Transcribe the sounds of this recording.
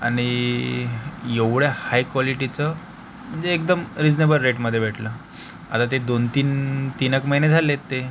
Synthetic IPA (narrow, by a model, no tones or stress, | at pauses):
a̰ɽ̃i | jeʋɽjahajkʋɔliʈit͡sə | m̤əɳd͡zeːk̚d̪əmɾid͡znebəlɾeʈməd̪ʱːjeʋeʈʰlə | a̰t̪at̪̬ed̪ont̪iːnt̪inəkməɦined͡zʱalet̪ːe